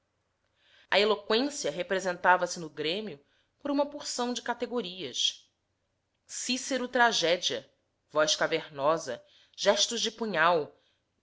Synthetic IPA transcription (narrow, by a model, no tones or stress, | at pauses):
ɐelokwẽsiɐɦepɾezẽnt̪avɐsɪnʊɡɾẽmiʊ | poɾũmɐpoɾsɐ̃w̃d͡ʒɪkat̪eɡoɾiɐs | siseɾʊt̪ɾaʒɛd͡ʒiɐ | vɔjʃkaveɾnɔzɐ | ʒ̥ɛʃt̪ʊʒd͡ʒɪpũɲaw